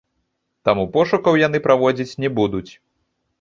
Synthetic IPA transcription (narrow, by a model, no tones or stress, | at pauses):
t̪amupɔʂukɐwjan̪ɨpɾavɔd͡zʲit͡sʲnʲɛbud̪ut͡sʲ